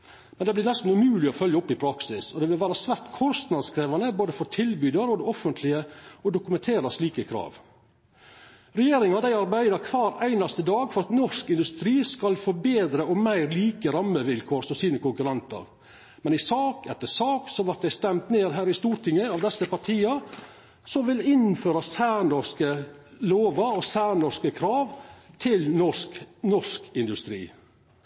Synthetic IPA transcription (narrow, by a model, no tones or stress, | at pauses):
mɛnd̪ɛblɪɾnɛst̪n̩ʉmʉːlɪɔfœljəɔpːɪpʰɾɑksɪsɔd̪ɛʋɪlʋæːɾɑsʋæɾʈ̪kʰɔst̪nɑd̪skʰɾeːʋɑnəboːd̪əfɔɾt̪ʰɪlbyːd̪əɾɔd̪ɛɔfənt̪ʰlɪəɔd̪ʊkʉmɛnt̪ʰeːɾɑsliːkəkʰɾɑ̰ːʋ | ɾɛjeːɾɪŋɑd̪æɪɑɾbæɪd̪ɑɾkʰʋɑːɾæɪnɑst̪əd̪ɑːɡfɔɾɑt̪nɔʂkɪnd̪ʉst̪ɾiːskɑlfɔbeːd̪ɾəʔɔmmæɪɾliːkəɾɑmːəʋɪlkʰoːɾsɔsiːnəkʊŋkʉɾɑnt̪ə̰ɾ | mɛnɪsɑːkɛt̪ːəsɑːksɔʋɑt̪̚d̪æɪst̪ɛmt̪neːɾɦæːɾɪst̪uːɾʈ̪ʰɪŋːəɑːʋd̪ɛsːəpɑʈʰiːɑ | sɔʋɪlɪnføːɾɑsæːɾɳɔskə | loːʋəɾɔsæːɾɳɔskəkʰɾɑːʋt̪ʰɪlnɔʂknɔʂkɪnd̪ʉst̪ɾḭː